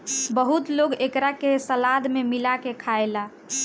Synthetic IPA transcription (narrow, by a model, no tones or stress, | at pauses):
bəɦut̪loɡekɾakesəlad̪memilakekʰaela